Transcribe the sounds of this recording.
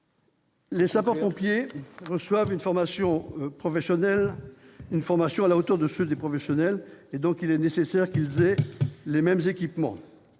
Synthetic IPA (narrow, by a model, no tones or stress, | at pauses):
lesapaʁpɔ̃pjeʁəswavynfɔʁmasjɔ̃pχɔfɛsjɔnɛlynfɔʁmasjɔ̃alaot̪œʁd̪əsød̪epχɔfɛsjɔnɛled̪ɔ̃kilɛnesesɛʁkilzɛlemɛmzekʲipmɑ̰̃